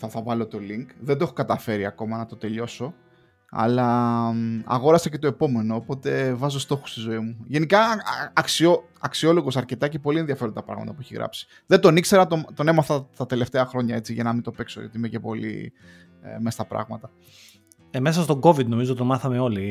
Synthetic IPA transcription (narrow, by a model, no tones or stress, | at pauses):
θɐθɐvɐlot̪o̞liŋkðend̪oeokɐt̪ɐfe̞ɾiɐko̞mɐnɐt̪o̞t̪e̞ʎo̞so̞ | ɐ̰lɐ | ɐ̰ɣo̞ɾɐsɐce̞t̪o̞epo̞me̞no̞ːpo̞t̪e̞vɐzost̪o̞xu̥st̪izo̞imuʝe̞nikɐːksio̞ | ɐksio̞lo̞ɣosɐɾce̞t̪ɐcepo̞lienðiɐfe̞ɾond̪ɐpɾɐ̰ɣmɐ̰t̪ɐpueçiɣɾɐ̰psi̥ | ðe̞nd̪o̞nikse̞ɾɐt̪omt̪o̞ne̞mɐθɐt̪ɐt̪e̞le̞ft̪eɐxɾo̞ɲɐe̞t͡siʝɐnɐmint̪o̞pe̞ksojot̪iimece̞po̞̰lḭ | mest̪ɐpɾɐ̰ɣmɐt̪ɐ | mesɐst̪o̞ɡo̞vid̪no̞mizot̪t̪omɐθɐmeo̞li